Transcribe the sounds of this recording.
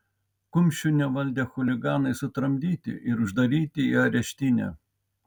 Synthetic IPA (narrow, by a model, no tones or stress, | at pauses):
kʊmʲʃʲʊnʲɛʋɐlʲd̪ʲexʊlʲɪɡɑːnɐɪsʊt̪ɾɐmʲd̪ʲiːt̪ʲɪ̰ʔɪɾʊʒd̪ɐɾʲiːt̪ʲɪiɐɾʲɛʃʲt̪ʲɪnʲɛ̰ː